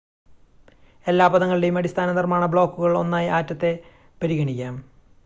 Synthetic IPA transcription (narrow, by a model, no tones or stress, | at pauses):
e̞lːaːbɐðɐŋːɐɭiɽe̞jumɐɽist̪ʰaːnɐnirmaːɳɐbɭo̞ːkːuɣɐɭo̞̰nːaːjiʔaːtːɐt̪ːe̞ | pɐɾiɣɐɳikʲːaːm